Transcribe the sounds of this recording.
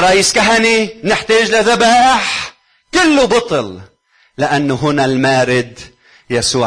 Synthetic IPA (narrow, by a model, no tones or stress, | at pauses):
ɾˤːɑʔiːskaɦaninɪħt̪aːʒlɪðabaːʔɪħ | kɪlːʊbɑt̪ˤɨl | lɪʔanːʊɦʊnalmaːɾɪd̪ | jasuːʕ